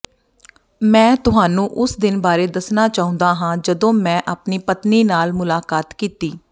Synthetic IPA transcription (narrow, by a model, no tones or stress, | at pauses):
mɛ̃ːt̪ʊɦaːnũːʔʊsd̪ɪnbaːɾeːd̪əsnaːt͡ʃaːɦʊ̃ːnd̪aːɦãːd͡ʒəd̪õːmɛ̃ːʔaːpniːpət̪niːnaːlmʊlaːkaːt̪kiːt̪iː